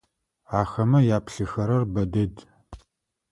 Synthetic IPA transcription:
aːxɐmɐjaːpɬɨxɐɾɐrbɐdɐd

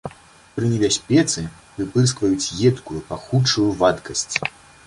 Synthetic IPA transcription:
pɾɨnʲɛbʲasʲpʲɛt̪sɨ | vɨpɨs̬kvɐjut͡sʲjɛt̪kujupaxut͡ʂːujuvat̪kɐsʲt͡sʲ

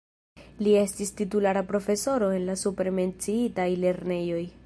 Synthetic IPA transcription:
lie̞stistitulaɾapɾo̞fe̞so̞ɾo̞e̞nlasupɾeme̞nt͡siitajle̞ɾne̞jo̞j

